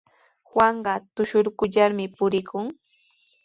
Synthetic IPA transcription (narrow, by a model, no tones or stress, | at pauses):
hwaɴɢɑt̪ʊʃʊɾkʊʎaɾmɪpʊɾɪkʊŋ